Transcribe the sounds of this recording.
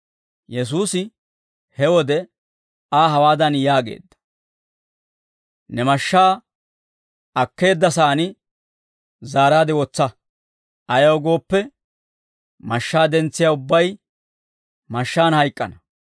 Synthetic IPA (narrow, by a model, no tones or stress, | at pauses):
jɛs̬uːsɪ | hɛwɔd̪ɛ | aːɦɐwaːd̪ɐnjaːɡe̞̰ːd̪ːɐ̥ | nɛmɐʃːaː | ɐkːe̞ːd̪ːɐsaːnɪ | zaːɾaːd̪ɪwɔt͡sːɐ | ʔɐjɐwɡo̞ːpːɛ | mɐʃːaːd̪ɛnt͡sːɪjaːʊbːɐj | mɐʃːaːnhɐjkʼːɐnɐ